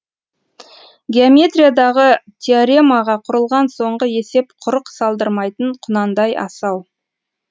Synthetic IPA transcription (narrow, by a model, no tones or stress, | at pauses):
ɡʲeomʲe̞t̪rʲijad̪ɑʁət̪ʲʰeaɾʲemaʁɑqʰʊɾəlˠʁɑnso̞ɴʁəe̞se̞pqʰʊɾəqsɑlˠd̪əɾmɑjt̪əɴqʰʊnɑnd̪ɑjɑ̰sɑw